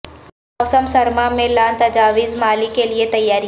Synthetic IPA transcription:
mɔːsəmsɐɾmamẽlaːnt̪ɐd͡ʒaːʋiːzmaːlikeliet̪ɐjːaːɾi

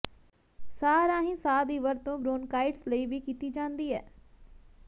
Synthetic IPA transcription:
saːɾãːɦĩːsaːd̪iːʋəɾt̪õːbɾoːnkaːɪʈsləiːʋiːkiːt̪iːd͡ʒãːnd̪iːɛː

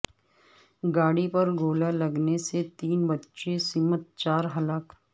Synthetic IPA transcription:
ɡaːɽipɐɾɡoːlalɐɡneset̪iːnbɐtːʃesiːmət̪̚t͡ʃaːɾɦɐlaːk

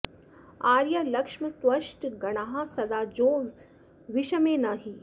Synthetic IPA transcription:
aːɾjɐlɐkʃmɐt̪wɐʃʈɡɐɽ̃aːɦasɐd̪aːd͡ʒõː | ʋiʃɐmẽːnaɦi

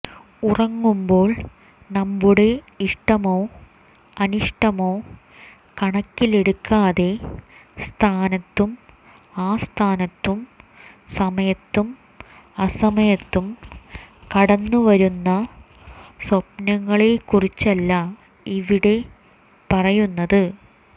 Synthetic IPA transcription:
urɐŋːumbo̞ːɭ | nɐmbuɽe̞ | iʂʈɐmo̞ː | ɐnuʂʈɐmo̞ː | kɐɳɐkːileɽukːaːðe̞st̪ʰaːnɐt̪ːum | aːst̪ʰaːnɐt̪ːum | sɐmɐjɐt̪ːum | ɐsɐmɐjɐt̪ːum | kɐɽɐnːuʋɐɾunːɐ | swɐpnɐŋːɐɭekurit͡ɕːɐlːɐ | iʋiɽe̞ | pɐrɐjunːɐðɨ

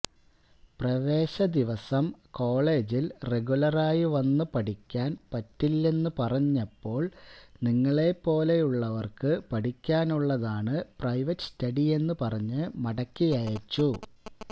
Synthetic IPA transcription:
prɐʋe̞ːɕɐd̪iʋɐsɐmko̞ːɭe̞ːd͡ʑilre̞ɣulɐraːjiʋɐnːɨpɐʈikʲːaːnpɐtːilːe̞nːɨpɐrɐɲːɐpːo̞ːɭniŋːɐɭe̞pːo̞ːle̞juɭːɐʋɐrkɨpɐʈikʲːaːnuɭːɐðaːɳɨprɐjʋɐtːɨ̥stɐɽije̞nːɨpɐrɐɲːɨmɐɽɐkːijɐjɐt͡ɕːu

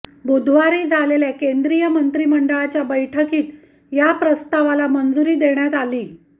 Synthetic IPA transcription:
bud̪ʱʋaɾiːd͡zʱaleljakend̪ɾijəmənt̪ɾiːməɳɖəɭat͡ɕjabəjʈʰəkiːt̪ | japɾəst̪aʋalamənd͡zuɾiːd̪eɳjat̪aliː

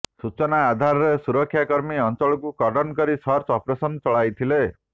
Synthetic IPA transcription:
sut͡ʃɔnaːd̪ʱaɾɔɾesuɾɔkʰːjakɔɾmiɔnt͡ʃɔɭɔkukɔɖɔnkɔɾisɔɾt͡ʃɔpɾesɔnt͡ʃɔɭajt̪ʰile

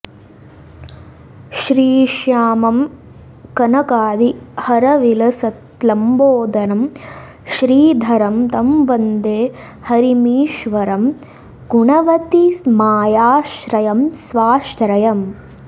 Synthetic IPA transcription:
ʃɾiːʃjaːmɐm | kɐnɐkaːd̪ihɐɾɐʋilɐsɐt̪lɐmboːd̪ɐnɐm | ʃɾiːd̪ʱɐɾɐmt̪ɐmbɐnd̪eː | hɐɾimiːʃʋɐɾɐm | ɡ̥uɳɐʋɐt̪imaːjaːʃɾɐjɐmsʋaːʃɾɐjɐm

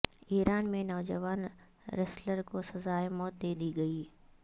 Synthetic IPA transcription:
iːɾaːnmẽnɔːd͡ʒəʋaːn | ɾɛsləɾkosɐzaːjemɔːt̪̚d̪eːd̪iɡɐiː

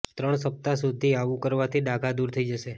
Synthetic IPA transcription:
t̪ɾəɳsəp̚t̪asud̪ʱiaʋũkəɾʋat̪ʰiɖaɡʱad̪uɾt̪ʰəid͡ʒəʃe

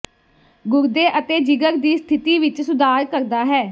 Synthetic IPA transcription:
ɡʊɾd̪eːʔət̪eːd͡ʒɪɡəɾd̪iːst̪ʰɪt̪iːʋɪt͡ʃsʊd̪aːɾkəɾd̪aːɦɛː

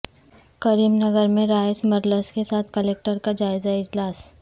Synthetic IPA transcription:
kɐɾiːmnɐɡəɾmẽɾaːjsmɐɾləskesaːt̪̚ʰkəleːk̚ʈəɾkad͡ʒaːɪzaɪd͡ʒlaːs

